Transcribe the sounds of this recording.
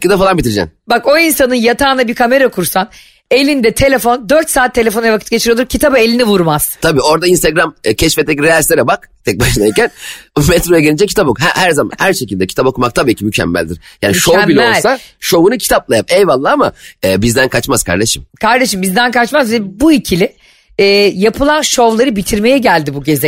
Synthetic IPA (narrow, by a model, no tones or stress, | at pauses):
cːid̪afalˠanbit̪ʰiɾd͡ʒɛ̰nbako̞insanɯnjat̪ʰaːnabiɾkʰame̞ɾakʰuɾsan | e̞lʲind̪ɛt̪ʰe̞lʲefo̞nd̪øɾt̪saːt̪ʰːee̞fonɯjavakʰɯ̥t̪̚ɟet͡ʃʰiɾiolˠuɾcʰit̪ʰabɯelʲinivuɾmaz̥t̪ʰabiːo̞ɾd̪ainst̪eɡɾamcʰɛʃfɛt̪ʰɛcɾejalʲst̪eɾɛbakt̪ʰɛc̚baʃɯnajicænmɛt̪ɾojaɟeind͡ʒɛcʰi̥t̪abokuɦæ̰hæɾzama̰nhæɾʃecilʲd̪ɛcʰit̪ʰabo̞kumak̚t̪ʰabiːcʰimycʰɛ̰mːæ̰lʲd̪iɾ̥ja̰ːniʃombilʲɛollˠʲsaʃo̞vunɯcʰi̥t̪ʰaplˠajap̚ejvalˠːaːamaɛːbizd̪ænkʰat͡ʃmaz̥kʰa̰ɾd̪eʃimkʰaɾd̪e̞ʃɯmbizd̪ænkʰat͡ʃmazvɛbuicʰilʲɪ | ɛːjapʰɯlˠanʃo̞vlˠaɾɯbit̪ʰiɾme̞jɛɟælʲd̪ibuɟe̞zɛ